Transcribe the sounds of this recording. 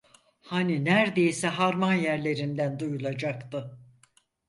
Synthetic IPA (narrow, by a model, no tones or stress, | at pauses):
haninæɾd̪e̞jisɛɦaɾmanjæɾlʲe̞ɾind̪ænd̪ujulˠad͡ʒakt̪ɯ